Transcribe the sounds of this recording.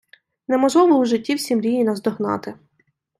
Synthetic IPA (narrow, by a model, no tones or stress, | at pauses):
nɛmɔʒlˠɔʋɔuʒɪtʲːiwsʲimɾʲijinɐzd̪ɔɦnɑ̰t̪ɪ